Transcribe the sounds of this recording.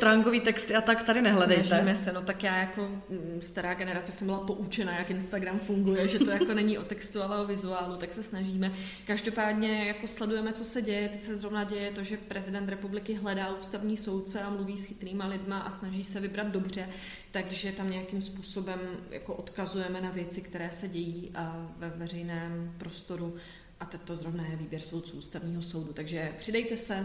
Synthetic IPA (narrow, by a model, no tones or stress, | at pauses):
st̪ɾaŋkoviːt̪ɛkst̪ɪat̪akt̪adɪnɛɦlɛdɛj̪ajmɛsɛno̞t̪akjaːjako̞st̪aɾaːɡɛnɛɾat͡sɛsɛmbɪlapo̞ʔut͡ʃɛnajakɪnst̪aɡɾamfuŋɡujɛʒɛt̪o̞jako̞nɛɲiʔo̞t̪ɛkst̪ualɛo̞vɪzuaːlut̪aksɛsnaʒiːmɛ | kaʒdo̞paːdɲɛjako̞slɛdujɛmɛt͡sosɛɟɛjɛt̪ɛcsɛzɾo̞vnaɟɛjɛt̪o̞ʒɛpɾɛzɪdɛnt̪ɾɛpublɪkɪɦlɛdaːʔuːst̪avɲiːso̞wt̪t͡sɛamluviːsxɪt̪niːmalɪdmaʔasnaʒiːsɛvɪbɾad̪̚do̞br̝ɛ | t̪aɡʒɛt̪amɲɛjakɪmspuːso̞bɛmja̰ko̞ʔo̞t̪kazujɛmɛnavjɛt͡sɪkt̪ɛɾɛːsɛɟɛjiːʔvɛvɛrɛjnɛːmpɾo̞st̪o̞ɾu | ʔat̪ɛt̪o̞zɾo̞vnajɛviːbjɛɾso̞wt̪t͡suːʔuːst̪avɲiːɦo̞so̞wdut̪aɡʒɛpr̥ɪdɛjt̪ɛsɛ